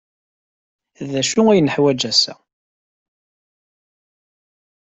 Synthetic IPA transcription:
ðæʃʊæjnəħwæd͡ʒæsæ̰

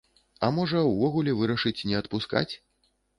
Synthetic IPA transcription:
ɐmɔʐɐwvɔɣulʲɛvɨɾɐʂɨt͡sʲnʲɛɐt̪puska̰t͡sʲ

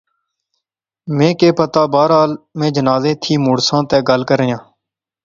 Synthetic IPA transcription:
mẽːkeːpət̪aːbaːɾɦaːlmẽːd͡ʒənaːzeːt̪ʰiːmuːɽsãːt̪ɛːɡəlkəɾɪjãː

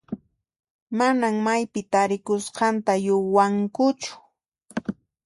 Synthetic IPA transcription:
manaŋmajpɪt̪aɾɪkʊsqɑnt̪ajʊwaŋkʊt͡ʃʊ̥

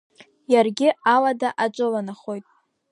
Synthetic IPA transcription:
jarɡʲɪaladaʔat͡ʃʷʼɨlanaχo̞jtʼ

